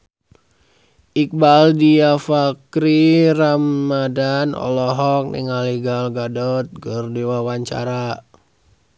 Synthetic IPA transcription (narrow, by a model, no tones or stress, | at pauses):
ʔik̚baldiafakɾiramːadanɔ̰lɔɦɔk̚nḭŋaliɡalɡadɔt̪̚ɡərdiwawaɲt͡ʃa̰ɾa